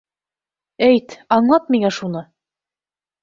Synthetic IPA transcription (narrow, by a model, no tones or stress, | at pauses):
æjt̪ɑɴlˠɑt̪̚miŋæʃunɤ